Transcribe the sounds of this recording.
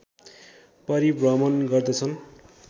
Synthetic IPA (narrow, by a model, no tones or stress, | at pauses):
pʌɾibrʌmʌnɡʌrd̪ʌt͡sʰʌn